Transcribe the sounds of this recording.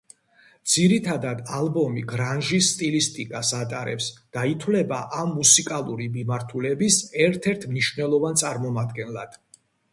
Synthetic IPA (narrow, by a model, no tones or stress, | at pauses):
d̪z̥iɾit̪ʰad̪ad̪alˠbɔmiɡɾanʒisːt̪ʼilist̪ʼikʼasat̪ʼaɾɛ̰psd̪̥ait̪ʰwlɛbaʔamːusikʼalˠuɾimimaɾt̪ʰulɛbisɛɾt̪ʰɛɾt̪ʰmniʃvnɛlˠɔvant̪sʼaɾmɔmad̪ɡɛnlˠad̪̥